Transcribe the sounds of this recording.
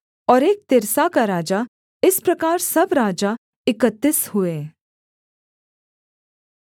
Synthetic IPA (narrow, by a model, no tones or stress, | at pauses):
ɔːɾeːk̚t̪ɪɾsakaɾaːd͡ʒa | ɪspɾɐkaːɾsɐbɾaːd͡ʒa | ɪkət̪ːishueː